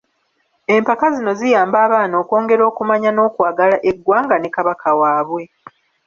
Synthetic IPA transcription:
e̞mpakazino̞zijaːmbaːβaːno̞ːko̞ːŋɡe̞ɾo̞ːkumaɲano̞ːkwaːɡalaʔeɡwaːŋɡane̞kaβakʰawaːβwe̞

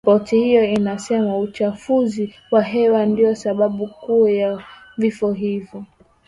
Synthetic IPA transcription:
pɔtihijɔinasɛmaut͡ʃafuzi | waɦɛwandijɔsaɓaɓukuja | vifɔɦivjɔ

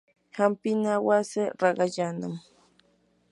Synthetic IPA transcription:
hampɪnawaseɾɑɢɑʎana̰m

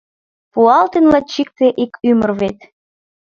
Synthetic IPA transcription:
puɑlt̪enlɑt͡ɕik̚t̪eʔikymə̆rβet̪

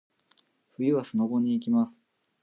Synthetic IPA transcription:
ɸɯ̟jɯβasɨno̞ɡo̞ɲ̟iːk̬ʲimasɨ̥

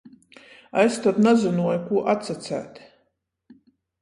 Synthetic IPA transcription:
aɛst̪ɔt̪nazunuɔjukuɔʔat̪sat̪sæ̰ːt̪

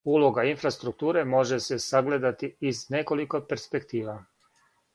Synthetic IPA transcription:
ulˠo̞ɡainfɾast̪ɾuk̚t̪uːɾe̞mo̞ʒesesaɡle̞d̪at̪iːzne̞ko̞liko̞pe̞ɾspe̞kt̪iːʋa

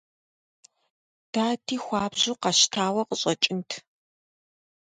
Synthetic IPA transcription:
d̥aːtʰiːxʷɑːbʑuqɑʃtʰaːwɐqəɕʼɐt͡ʃʼɪntʰ

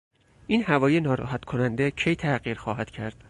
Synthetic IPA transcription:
ʔiːnhævɒːjenɒːɾɒ̰ːɦæt̪kʰo̞nænd̪ecʰe̞jt̪ʰæɢiːɾxɒːɦæd̪̥cʰæɾd̪̥

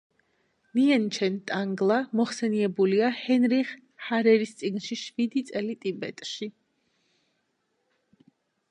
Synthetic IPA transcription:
niɛnt͡ʃʰɛnt̪ʼaŋɡlˠamɔχsɛniɛbuliahɛnɾiχ | haɾɛɾist̪sʼiɡnʃiʃvid̪it̪sʼɛlit̪ʼibɛt̪ʼʃi

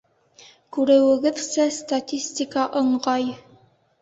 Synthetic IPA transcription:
kʉɾɘ̆wɘ̆ɡɘðsæst̪atʲisʲt̪ʲikɑʔɤ̆ɴʁɑj

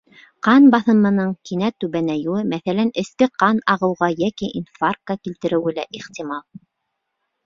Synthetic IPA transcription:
qɑnbɑθɤ̆mɤ̆nɤɴkinæt̪ʉβænæjuɘmæθælænɘ̆skɘqɑnɑʁɤ̆wʁɑjækiʔinfarkakilt̪ɘ̆ɾɘ̆wɘ̆læʔiχt̪ʲimɑlˠ

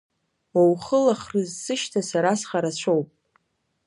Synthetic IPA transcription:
wowχəlaχrɨzsɨʃtʰasaɾasχaɾat͡ɕʷʰowpʼ

